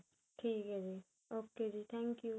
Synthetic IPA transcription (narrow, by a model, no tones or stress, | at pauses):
ʈʰikɦɛd͡ʒi | oked͡ʒit̪ʰɛŋkju